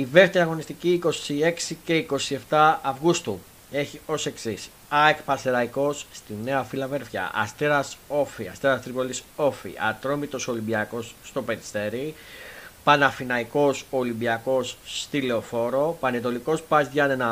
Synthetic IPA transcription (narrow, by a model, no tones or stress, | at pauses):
ive̞ft̪eɾiɐɣo̞nist̪iciːko̞sie̞ksice̞iko̞sie̞ft̪ɐːvɣust̪u | e̞çio̞se̞ksis | ɐekpɐseɾɐiko̞sːt̪ine̞ɐfilɐve̞ɾfçɐ̰ʔɐ̰st̪eɾɐso̞fiɐ̰st̪eɾɐst̪ɾipoliso̞fḭʔɐ̰t̪ɾo̞mit̪o̞so̞limbiɐko̞sːt̪o̞peɾist̪e̞ɾi | pɐnɐfinɐiko̞so̞limbiɐko̞sːt̪ile̞ofo̞ɾo̞pɐnet̪o̞liko̞spɐzʝɐnenɐ